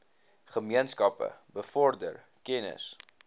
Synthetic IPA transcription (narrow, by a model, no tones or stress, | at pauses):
χəmiənskɐpə̰bəfɔrdər | kɛnə̰s